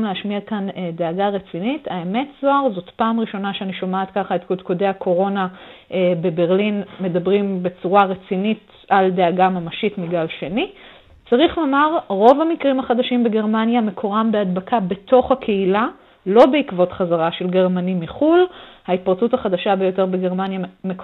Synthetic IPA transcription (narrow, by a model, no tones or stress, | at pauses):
mleaʃmiakanedeaɡaʁet͡sinitaeme̞tz̥oaʁzo̞tpaːmʁiʃo̞naʃeaniʃo̞maat̪kaχaet̪kodkodejakʰo̞ʁo̞naebe̞be̞ʁlinme̞dabʁimbe̞t͡suʁaʁet͡sinit | aldeaɡamamaʃitmiɡalʃe̞ni | t͡saʁiχlomaʁʁo̞vhamikʁimaχadaʃimbe̞ɡe̞ʁmanjamekʰoʁambead̪bakʰabe̞to̞χhakʰe̞ila | lo̞beikvo̞tχazaʁaʃe̞lɡe̞ʁmanimiχulhait̚paʁt͡suthaχadaʃabejo̞te̞ʁbeɡe̞ʁmanjamek